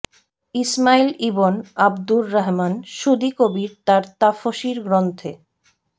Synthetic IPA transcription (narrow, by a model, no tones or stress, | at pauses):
ismailibonabd̪ulːaɦmanʃud̪ikobiɾt̪aɾt̪afoʃiɾɡɾont̪ʰe